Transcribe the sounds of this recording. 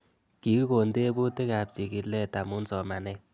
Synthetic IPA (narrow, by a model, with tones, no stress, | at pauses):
ki˨˦kko˨nde˦bu˦te˦ka˨p̚t͡ʃi˨ki˨lɛ˦ta˨mʊ˦nsɔ˨ma˨nɛ˦